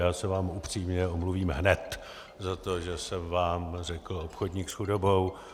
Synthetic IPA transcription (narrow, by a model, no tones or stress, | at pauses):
jaːsɛvaːmupr̝̥iːmɲɛomluviːmɦnɛt̪ | zat̪oʒɛsɛmvaːmrɛkl̩opxodɲiːksxudobo̞w